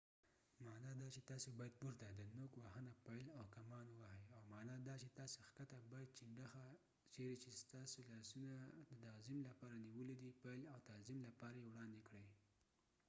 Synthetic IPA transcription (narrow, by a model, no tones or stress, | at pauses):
mɑnɑd̪ɑt͡ʃet̪ɑsobɑjad̪̚buɾd̪ad̪ənokwahənapajlawkamɑnwahajawmɑnɑd̪ɑt͡ʃet̪ɑsoxkat̪abɑjad̪̚t͡ʃɪɳɖəxa | t͡ʃeɾet͡ʃest̪ɑsolɑsunad̪ət̪ɑzɪmlapɑɾaniwəlid̪ipajlawt̪ɑzɪmlapɑɾajewɽɑnd̪ekɽəj